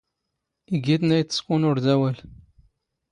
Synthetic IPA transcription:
iɡit̪næjt̪ːə̥skunʊɾd̪æwæl

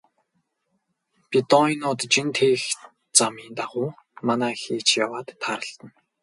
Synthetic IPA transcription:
pʲit̪ɔinʊːt̪t͡ɕint̪ʰeːx | t͡samiːnt̪aʁʊː | manaːxeːt͡ɕjawaːt̪ːʰaːɾə̆ɬt̪ə̆n

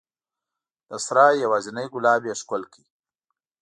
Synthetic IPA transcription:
d̪̥əsɾaːjawaːzinajɡʊlaːbjeʃkʊlki

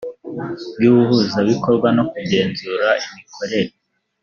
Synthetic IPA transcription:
bjuːβuhuzaβiko̞ɾɡwano̞kuɟe̞ːnzuɾaʔimikʰo̞ɾe̞ɾe

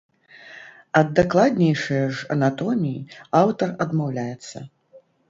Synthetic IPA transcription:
ɐd̪ːaklˠad̪ʲnʲejʂɐjɐʐɐ̰nat̪ɔmʲijḭawt̪ɐrɐd̪mawlʲajɛt̪sːɐ̰

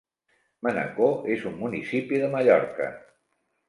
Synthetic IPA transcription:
mənə̰koʔezumːunisipiðəməʎɔɾkə̰

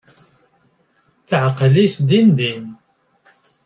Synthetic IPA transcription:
θəʕqliθd̪ind̪in

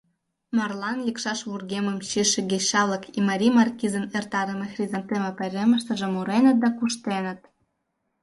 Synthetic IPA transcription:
mɑrlɑnlʲikʃɑʃβurɣemə̆mɕiʃɘ̆ɡeɕɑlɤ̆kimɑɾʲimɑrkʲizə̆nert̪ɑɾə̆mĕxrʲizɑnt̪ĕmĕpɘ̆ɾʲemə̆ʃt̪ə̆ʒĕmuɾenə̆t̪̚d̪ɑkuʃt̪enə̆t̪̚

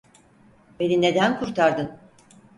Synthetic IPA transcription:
be̞nine̞d̪ænkʰuɾt̪ʰaɾd̪ɯn

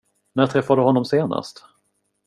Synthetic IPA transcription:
næʈ̪ʰɾɛfːad̪əhɔnːɔmseːna̰st̪

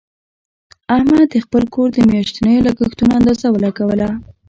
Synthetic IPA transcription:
ahmad̪̚d̪əxpəlkoɾd̪əmjɑʃt̪inəjolakəxt̪unaːnd̪azawəlakawəla

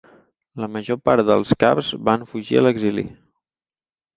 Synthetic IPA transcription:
ləməʒopaɾðə̰lˠska̰pzβaɱfuʒḭələɡzilḭ

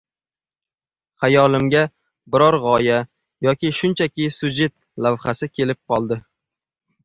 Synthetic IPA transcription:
hajɒlɪmɡʲa | bɪɾɒɾʁɒja | jɒkʲɪʃʊnt͡ʃʰakʲɪsʊd͡ʒe̞t̪̚ | lavχasɪkʲʰe̞lɪp̚qʰɒlˠd̪ɪ

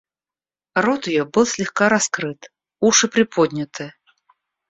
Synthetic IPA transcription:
rɔt̪ɪjɔbɨlˠsʲlʲɪxkaɾaskɾɨt̪ | uʂɨpɾʲɪpʰɔd̪ʲnʲɪt̪ʰɨ

